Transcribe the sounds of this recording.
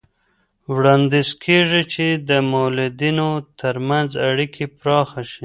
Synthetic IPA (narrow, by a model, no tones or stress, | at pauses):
wɽɑnd̪izkʰeʐit͡ʃed̪əmowlud̪inot̪ʰəɾmanzaɽikʰepɾɑxaʃi